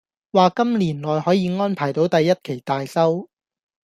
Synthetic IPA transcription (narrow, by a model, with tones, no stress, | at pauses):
waː˨kɐ˥mliː˨˩nlɔː˨jhɔː˨˥jiː˨˧ŋɔː˥npʰaː˨˩jt̪o˨˥wt̪ɐ˨jːɐ˥t̚kʰe˨˩jt̪aː˨jsɐ˥w